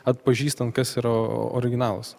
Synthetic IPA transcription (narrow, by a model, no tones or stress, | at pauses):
ɐt̪̚pɐʒʲiːst̪ɐnt̪̚kɐsɪɾɐo̰ːɾʲɪɡʲɪnɑːlˠɐ̰s